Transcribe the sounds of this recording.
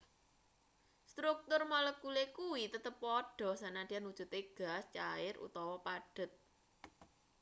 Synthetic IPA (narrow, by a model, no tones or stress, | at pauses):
st̪ɾuk̚t̪ʊrmaləkulekuwit̪ət̪əpːɔɖ̥ɔ̤sanand̥̪ianwud̥ʒ̥ṳt̪eɡ̥a̤st͡ʃaɪrṵt̪ɔwɔpaɖ̥ə̤t̪̚